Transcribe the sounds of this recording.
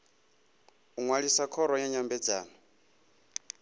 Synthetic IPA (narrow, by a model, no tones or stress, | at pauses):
uŋwaɺisakʰɔɾɔjaɲambɛd͡zaːnɔ